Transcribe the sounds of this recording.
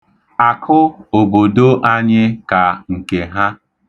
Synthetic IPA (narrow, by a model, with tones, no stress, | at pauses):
a˨kʰʊ˦o˨bo˨do˦ʔa˦ɲɪ˦ka˨ŋ̩˨ke˨ɦa˦